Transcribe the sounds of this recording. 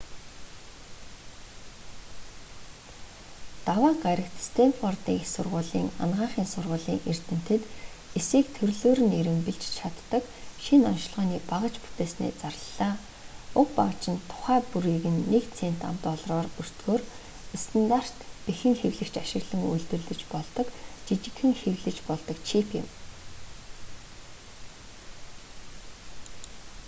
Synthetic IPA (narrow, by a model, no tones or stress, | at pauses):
t̪awaːɢaɾʲə̆kt̪st̪ʰemfɔrt̪iːŋsʊrʁʊːɮḭːŋa̰nʁaːɴχiːnsʊrʁʊːɮiːŋʔer̥t̪ɘ̆n̥t̪ɘ̆t̪ | esiːk̚t̪ʰɵrɮoːɾɘ̆neɾɘ̆mpɘ̆ɮt͡ɕt͡ɕʰat̪ːə̆k | ʃinɔnʃɪ̆ɮʁɔːniːpaʁə̆t͡ɕpu̥t̪eːsnḛːt͡sarəɮaː | ʊkpaʁə̆t͡ɕɪ̆nt̪ʰːʊ̥χæːpuɾiːɣɘ̆nːekt͡sʰen̥t̪a̰mt̪ɔːɮrɔːrɵr̥t̪ɡoːr | st̪ʰant̪ar̥t̪pixɘ̆ŋxewɮɘ̆kt͡ɕaʃɪ̆ɣɮɘ̆ŋṵjɮt̪ɵ̆rɮɘ̆t͡ɕpɔɮt̪ɞ̆kt͡ɕit͡ɕɪ̆kxɘ̆ŋxewɮɘ̆t͡ɕpɔɮt̪ɞ̆kt͡ɕʰipʰɪ̰̆m